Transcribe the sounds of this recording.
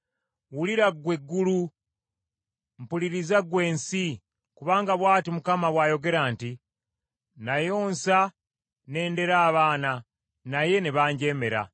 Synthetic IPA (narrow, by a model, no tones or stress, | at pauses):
wuliɾaɡwe̞ɡːulu | m̩puliɾizaɡwe̞ːnsi | kuβaːŋɡaβwaːtimukamaβwaːjo̞ɡe̞ɾaːnti | najo̞ːnsa | ne̞ːnde̞ɾaːβaːna | naje̞neβaːɲɟe̞ːme̞ɾa̰